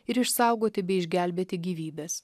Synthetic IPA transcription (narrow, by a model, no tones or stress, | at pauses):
ɪɾɪʃsɑˑʊɡoːt̪ʲɪbʲɛɪɪʒʲɡʲælʲbʲeːt̪ʲɪɡʲiːʋʲiːbʲɛs